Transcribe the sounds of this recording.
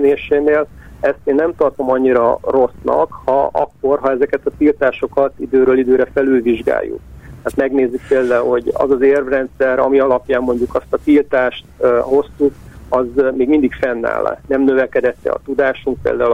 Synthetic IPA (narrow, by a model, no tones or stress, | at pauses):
neːʃeːneːl | ɛst̪eːnːɛmt̪ɒrt̪o̞mɒɲːiɾɒro̞snɒ̰khɒʔɒ̰kːo̞rɦɒɛzɛkɛt̪ɒt̪ilt̪aːʃo̞kɒt̪id̪øːɾøːlid̪øːɾɛfɛlylviʒɡa̰ːjːṵk̚t̪ɛːt̪mɛɡneːzːyk̚peːld̪aːulho̞ɟɒ̰zɒzeːrvrɛnt̪sɛɾɒmiɒlɒpjaːmːo̞ɲɟukɒst̪ɒt̪ilt̪aːʃt̪ho̞st̪ukɒzmeːɡmind̪ikfɛnːa̰ːla̰nɛmnø̞vɛkɛd̪ɛt̪ːɛ̰ɒ̰t̪ud̪aːʃuŋk̚pḛːld̪aːu